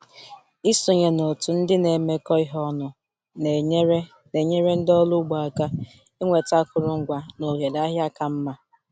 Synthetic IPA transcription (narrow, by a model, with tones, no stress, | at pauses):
i˦so˨ɲe˨no˨tu˨n̩˦dɪ˦ne˨me˦kɔ˦ɪ˦ɦɔ˦nʊ˨˦ | ne˨ɲe˦ɾe˦n̩˦dɔ˦lʊ˦ɡ͡bɔ˨a˨ka˦ | e˦ŋʷe˨ta˦kʊ˨ɾʊ˦ŋ̩˦ɡʷa˦no˨ɦe˨da˦ɦja˦ka˨m̩˦ma˦